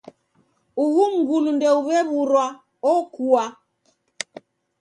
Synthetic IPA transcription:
uhuŋ̩ɡulundɛuβɛβuɾwa | ɔkua

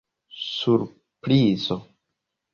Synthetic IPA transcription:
suɾ | pɾizo

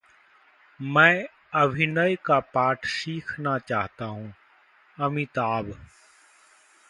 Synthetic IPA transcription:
mɛ̃ː | ɐbʱɪnəjkapaːʈʰsiːkʰnat͡ʃaːɦt̪aɦũː | ɐmit̪aːb

